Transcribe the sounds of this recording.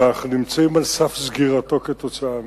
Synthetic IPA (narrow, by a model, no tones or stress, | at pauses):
aχnunimt͡saimalsafzɡiʁat̪o̞ket̪o̞t͡saam